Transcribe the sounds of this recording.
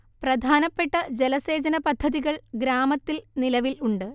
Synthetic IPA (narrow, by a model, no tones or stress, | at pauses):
prɐd̪ʱaːnɐpːe̞ʈːɐd͡ʑelɐse̞ːd͡ʑɐnɐpɐd̪ʱːɐðiɣɐɭɡɾaːmɐt̪ːilnilɐʋiluɳɖɨ